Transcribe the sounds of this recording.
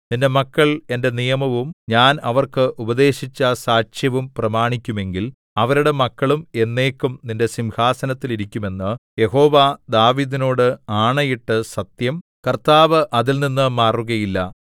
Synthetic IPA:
ninde̞mɐkːɐɭe̞nde̞nijɐmɐʋumɲaːnɐʋɐrkɨʔubɐðe̞ːɕit͡ɕːɐsaːʂjɐʋumprɐmaːɳikʲːume̞ŋɡil | ɐʋɐɾuɽe̞mɐkːɐɭume̞nːe̞ːkːumninde̞simhaːsɐnɐt̪ːiliɾikʲːume̞nːɨje̞ho̞ːʋad̪aːʋiːðino̞ːɽɨaːɳɐjiʈːɨsɐt̪jɐm | kɐrt̪aːʋɨʔɐðilninːɨmaːruɣɐjilːɐ

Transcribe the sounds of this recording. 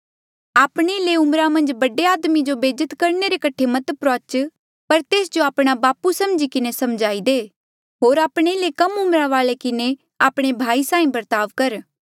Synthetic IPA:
aːpɽ̃eɪleʊmɾamɐ̃nd͡ʒbɐɖeaːd̪mid͡ʒobeːd͡ʒət̪kɐɾneɾekɐʈʰemɐt̪pɾɔːt͡ʃ | pɐɾt̪eːsd͡ʒoaːpɽ̃abaːpusɐmd͡ʒikɪnesɐmd͡ʒaːid̪eː | ɦoːɾaːpɽ̃eɪlekɐmʊmɾãʋaːlekɪne | aːpɽ̃ebʱaːisãːĩbɐɾt̪aːʋkɐɾ

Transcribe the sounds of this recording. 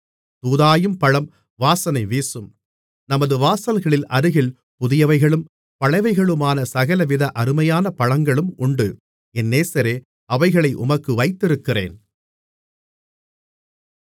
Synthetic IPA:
t̪uːðaːjɯmpɐɻɐm | ʋaːsɐnɐɪʋeːsɯm | nɐmɐðɯʋaːsɐlɣɐɭɪlʔɐɾɯɣɪl | pʊðɪjɐʋɐɪɣɐɭɯm | pɐɻɐɪʋɐɪɣɐɭɯmaːnɐsɐɣɐlɐʋɪðɐʔɐɾɯmɐjaːnɐpɐɻɐŋɡɐɭɯmʊɳɖɯ | ɛnːeːsɐɾeː | ʔɐʋɐɪɣɐɭɐɪʔʊ̰mɐkːɯʋɐɪt̪ːɪɾɯkːɪrḛːn

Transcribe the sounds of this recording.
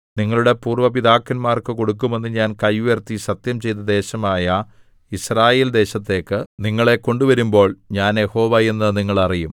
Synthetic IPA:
niŋːɐɭuɽe̞puːrʋɐpid̪aːkːɐnmaːrkɨko̞ɽukːume̞nːɨɲaːnkɐjʋujert̪ːisɐt̪jɐmt͡ɕe̞jt̪̬ɐd̪e̞ːɕɐmaːjɐ | israːje̞ːld̪e̞ːɕɐt̪ːe̞ːkːɨniŋːɐɭe̞ko̞ɳɖuʋɐɾumbo̞ːɭɲaːnjeho̞ːʋɐjenːɨniŋːɐɭɐrijum

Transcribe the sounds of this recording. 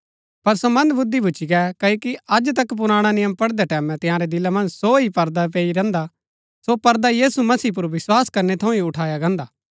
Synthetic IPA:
pɐɾsomɐ̃nd̪bʊd̪ːibʱʊːt͡ʃiɡɛkɐoːkiɐd͡ʒt̪̬ɐkːp̬ʊɾaːɽ̃anɪjəmpɐɽd̪ɛʈɛːmɛ̃t̪ɪ̃jãːɾed̪ɪlamɐ̃nd͡ʒsoɦipɐɾd̪ap̬eːiɾɛ̃ːnd̪a | sopɐɾd̪ajiːsumɐsiːp̬ʊɾʋɪswaːskɐɾnet̪ʰɐ̃ũiʊʈʰaːjaɡɛ̃ːnd̪aː

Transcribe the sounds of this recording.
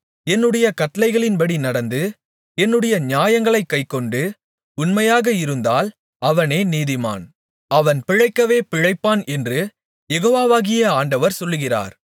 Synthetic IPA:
ɛnːɯɽɐjɐkɐʈːɐlɐɪɣɐɭɪnbɐɽinɐɽɐnd̪ɯ | ɛnːɯɽɐjɐɲaːjɐŋɡɐɭɐɪkːɐɪkːɔɳɖɯ | ʊnmɐjaːɣɐɪɾɯnd̪aːl | ɐʋɐneːniːðɪma̰ːn | ɐʋɐnpɪɻɐɪkːɐʋeːpɪɻɐɪpːaːnɛndrɯ | jɛɣoːʋaːʋaːɣɪjɐaːɳɖɐʋɐɾsɔlːɯɣɪra̰ːɾ

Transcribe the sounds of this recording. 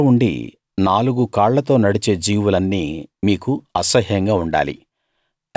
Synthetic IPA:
uɳɖḭ | naːluɡukaːɭlɐt̪o̞ːnɐɽit͡ʃe̞ːd͡ʒiːʋulɐnːiːmiːkuɐsɐɦjɐŋɡaːuɳɖa̰ːlḭ

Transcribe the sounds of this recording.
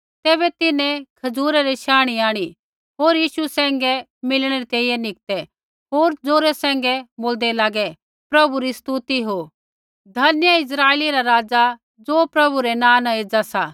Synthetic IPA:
t̪ɛːbɛt̪ɪnɛ̃kʰɐd͡zuːɾaɾiʃaːɽ̃iaːɽ̃i | ɦoːɾjiːʃusɛ̃ːŋ̆ɡɛ | mɪlɽ̃ɛɾit̪eːijɛnɪk̚t̪ɛ | ɦoːɾd͡zoːɾɛsɛ̃ːŋ̆ɡɛboːld̪ɛlaːɡɛ | pɾɐbuɾist̪ut̪iɦo | d̪ʱɐnjəɪs̬ɾaːeːliɾaɾaːd͡za | d͡zoːpɾɐbuɾɛnãːnãeːd͡zasaː

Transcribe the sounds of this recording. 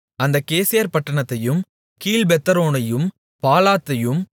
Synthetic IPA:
ɐnd̪ɐkeːsɪjɐɾpɐʈːɐɳɐt̪ːɐjɯm | kiːlbɛt̪ːɐɾoːnɐjɯm | paːlaːt̪ːɐjɯm

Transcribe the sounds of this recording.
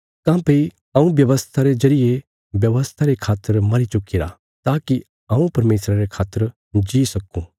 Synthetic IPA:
kãːpɐi | ɐ̃ũbjɐʋəst̪ʰaɾezɐɾije | bjɐʋəst̪ʰaɾekʰaːt̪ːəɾmɐɾit͡ʃʊkːiɾa̰ | t̪aːki | ɐ̃ũpɐɾmeːsɾaɾekʰaːt̪ːəɾ | d͡ʒiːsɐkṵ̃

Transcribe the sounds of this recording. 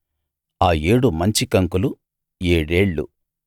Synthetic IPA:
aːjeːɽumɐɲt͡ʃikɐŋkulu | eːɽe̞ːɭːṵ

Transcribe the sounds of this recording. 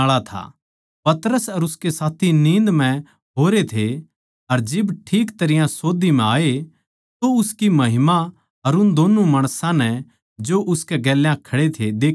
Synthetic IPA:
aːɭat̪ʰa̰ | pɐt̪ɾəsɐɾʊskesaːt̪ʰinĩːnd̪mɛ̃ | ɦoːɾet̪ʰe | ɐɾd͡ʒɪbʈʰiːkt̪ɐɾɪjãsoːd̪imɛ̃aːe | t̪oʊskimɐɦɪma | ɐɾʊnd̪oːnumɐɽ̃sãnɛ | d͡ʒoʔʊskeɡɛːljãkʰɐɽet̪ʰed̪eː

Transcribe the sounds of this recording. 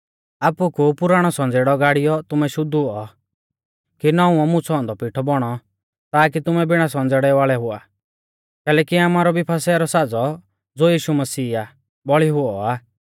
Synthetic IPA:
aːpukupʊɾaːɽ̃ɔsɔ̃nd͡zeːɽɔɡaːɽijɔt̪ʊmɛʃʊd̪uɔ | kinɔũɔmʊ̃t͡sʰɔ̃ːnd̪ɔpiʈʰɔbɔɽ̃ɔ | t̪aːk̬it̪ʊmɛbɪɽ̃as̬ɔ̃nd͡zɛːɽɛʋaːɭɛɦʊa̰ | kɛːlɛːkiaːmaːɾɔbipʰasaɾɔsad͡zɔ | d͡zoːjiːʃumɐsiːa | bɔɭiɦʊɔa

